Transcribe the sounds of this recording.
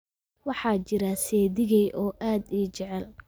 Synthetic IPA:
wɑħɑːt͡ʃɪɾasɛːðɪɣɛjʔɔːʔaːd̪iːt͡ʃɛʕɛl

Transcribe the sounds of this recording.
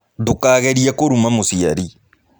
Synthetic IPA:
tokaːɣɛɾiakoɾumamosia̰ɾi

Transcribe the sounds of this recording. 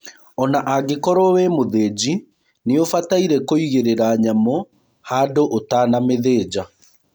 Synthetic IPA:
ɔnaʔaɡekɔɾɔwemoðeːd͡ʑi | neofataiɾɛkoiɣeɾeɾaɲamɔ | haːdoʔotaːnameðeːd͡ʑa

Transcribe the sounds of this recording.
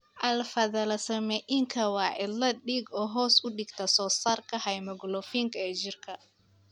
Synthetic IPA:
ʔɐlfɐðɐlɐsɐmɛʔɪŋkʰɐwɑːʕɪdlɐɖiːɡɔːɦɔːsʊɖɪɡt̪ʰɐsɔːsaːrkʰɐhɐjmɐɡlɔfiːŋkʰɐɛːt͡ʃɪrkʰɐ

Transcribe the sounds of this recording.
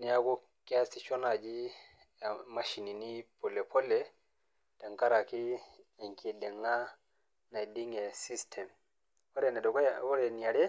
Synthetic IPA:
nijakɔ | kastit͡ʃɔnad͡ʒi | maʃininipɔlɛpʰɔlːɛ | taŋkaɾakiɛŋkʰidɛŋːa | nadiŋɡɛsistʰɛm | wɔɾɛnɛdɔkwɔɾɛniaɾɛ

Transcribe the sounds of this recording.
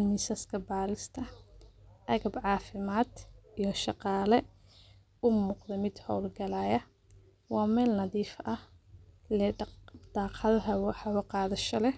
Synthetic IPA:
nɪsɐskʰɐbaːɾɪst̪ʰɐ | ʔɐɣɐbʕɑːfɪmaːd̪ijɞʃɑqɑːlɛ | ʊmuːqðɐmɪd̪hɔwlɡɐlaːjɐ | wɑːmɛːlnɐðiːfɐh | lɛd̪̥ɑːqɐðɐɦɐwħɑwɐqɑːðɐʃɐlɛ

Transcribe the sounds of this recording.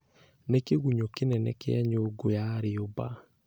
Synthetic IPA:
nekeɣuɲokenɛnɛ̰kɛaɲoɡojaɾeoba̰

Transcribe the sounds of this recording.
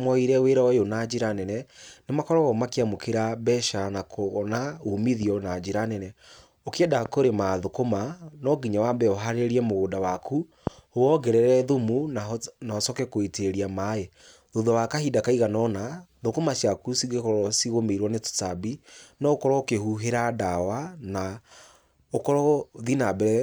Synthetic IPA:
mwɔiɾɛweɾaɛjonad͡ʑeɾanɛnɛnemakɔɾɔɣɔmakeamokeɾabɛʃanakʰonaomiðiɔnad͡ʒeɾanɛnɛ | okɛdakoɾemaðokomanɔɡiɲawambɛoɦaɾeɾiɛmoɣodawakʰu | oɔɡɛɾɛɾɛðumunanaɔsɔkɛkoeteɾiamae | ðoðɔwakahidakaiɣanɔnaðokomasjakusiɡekɔɾɔsiɣomeɾwɔneto̥tabinɔokɔɾɔokehuɦeɾadawana | okɔɾɔðinabɛɛ

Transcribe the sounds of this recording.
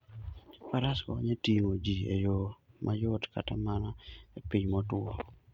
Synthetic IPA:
paɾaskɔ̰ɲetiŋod͡ʒiḛjomʔajʊtka̰tamanaepiɲmɔtʊɔ

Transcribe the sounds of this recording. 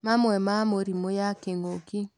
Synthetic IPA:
mamwɛmamoɾimojakeŋɡoki

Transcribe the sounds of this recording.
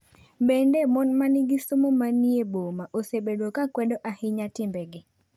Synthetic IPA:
bendemɔnmanɪɡɪsomomaniebomaʔosebedokakwɛdoʔahɪɲatɪmbɛɡɪ

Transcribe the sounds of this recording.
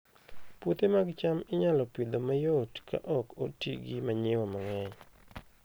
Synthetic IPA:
put̪emaɡt͡ʃamɪɲalɔpɪd̪omajotkʰa̰ʔɔkotḭɡimaɲɪwɔmaŋɛɲ

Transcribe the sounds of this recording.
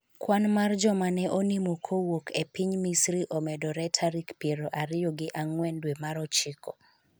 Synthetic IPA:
kwanmard͡ʒɔmanɛʔonimokʰowokʰepiɲmisɾiʔɔmɛdɔɾɛtʰaɾikpjeɾoʔaɾɪjoɡɪʔaŋwɛndwemaɾɔt͡ʃɪkɔ

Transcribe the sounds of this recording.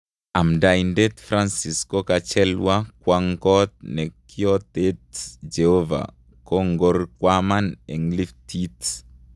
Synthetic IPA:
amdajndɛt̪fɾansiskokat͡ʃɛlwakwaŋkɔt̪̚nɛkiɔt̪etd͡ʒehova̰ | koŋɡorkwamanɛŋliftʰit

